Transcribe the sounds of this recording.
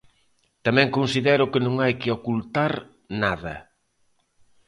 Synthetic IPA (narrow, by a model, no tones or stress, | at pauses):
t̪amɛ̃ŋkonsiðɛɾʊkɪnõŋajkɪokult̪aɾ | naðɐ̰